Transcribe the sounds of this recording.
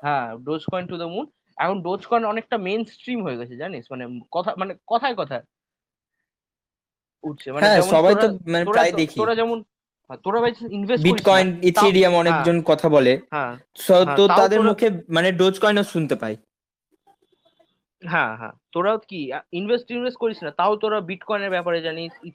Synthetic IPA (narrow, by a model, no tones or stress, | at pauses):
ɦɛ̃ɖod͡ʑkɔjnʈud̪əmun | ɛkʰonɖod͡ʑkɔjnɔnek̚ʈamensʈɾimɦoeɡɛt͡ɕʰed͡ʑaniʃmanekɔt̪ʰamanekɔt̪ʰaekɔt̪ʰae | uʈ̚t͡ɕʰemaeɦɛ̃ɛʃɔbaj̪omaneojd̪ekʰioɾad͡ʑɛmon | ɦɛt̪oɾabajt͡ɕʰinbʱesbiikɔjnit̪iɖiamɔnekd͡ʑonkɔt̪ʰaboleɦɛ̃ | ʃɔt̪otaad̪eɾmukʰemaneɖod͡ʑkɔjnoʃunt̪epaj | ɦɛ̃ɦɛ̰̃t̪oɾat̪kiinbʱesʈinbʱesʈ̚koɾit͡ɕʰnat̪aot̪oɾabiʈkɔjneɾbɛpaɾed͡ʑanit͡ɕʰi